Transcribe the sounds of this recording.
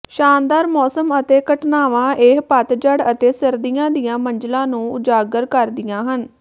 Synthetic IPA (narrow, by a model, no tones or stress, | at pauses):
ʃaːnd̪aːɾmɔːsəmət̪eːkəʈnaːʋãːʔeːɦpət̪d͡ʒəɽət̪eːsəɾd̪ijãːd̪ijãːməɲd͡ʒlãːnũːʊd͡ʒaːɡəɾkəɾd̪ɪjãːɦən